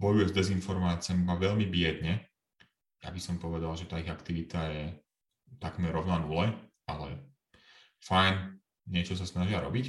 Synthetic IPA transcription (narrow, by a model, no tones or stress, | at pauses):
bɔjujɛzd̪ɛzinfɔɾmaːt͡sɪamibaʋɛʎmibɪɛd̪ɲɛ | ja̰bisɔmpɔʋɛd̪alʒɛt̪aːiɣakt̪iʋit̪ajɛ | t̪akmɛɾːɔʊnanulɛʔalɛ̰ | fajn | ɲɪɛt͡ʃɔs̬asnaʒɪaɾɔ̰bic